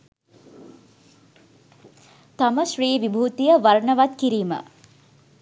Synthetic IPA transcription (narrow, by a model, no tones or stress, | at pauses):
t̪aməʃriːʋibʱuːt̪ijəʋaɾɳəʋat̪kiɾiːmə̰